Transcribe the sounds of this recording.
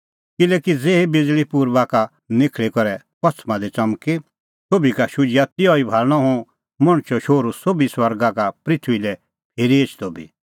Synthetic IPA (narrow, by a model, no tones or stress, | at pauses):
kɪlɛːkid͡zeːibɪd͡zlipuɾbaka | nɪkʰɭekɔɾɛ | pɔt͡sʰmãd̪ɛt͡sɐmke | sobikaʃʊd͡ʒɪjat̪ɪɔːibʱaːlɽ̃ɔɦũ | mɐɽ̃t͡ʃɔʃoːɾusobiswɐɾɡakapɾɪt̪ʰʋilɛ | pʰeːɾieːt͡ʃʰt̪obḭ